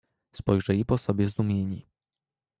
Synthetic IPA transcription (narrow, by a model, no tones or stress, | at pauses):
spɔjʐɛipɔsɔbʲjɛzd̪umʲjeɲi